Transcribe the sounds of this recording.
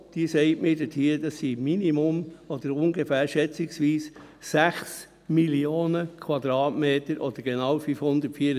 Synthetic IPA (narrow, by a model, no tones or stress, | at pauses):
d̥iəsɛɪtmɪːdɛtʰiːd̥̪ɑsːiminimʊmɔd̥̪əɾʊŋɡefæːɾʃɛt͡sɪksʋiːs | sæχs | milioːnəkʰwɑd̪ɾɑːtmeːt̪əɾʔɔd̥̪əɾɡ̥enɑwfyfhʊnd̪ətfiːəɾ